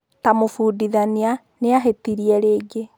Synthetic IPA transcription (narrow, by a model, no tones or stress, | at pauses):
tamofuːdiðania | neaɦetiɾiɛɾeːɡe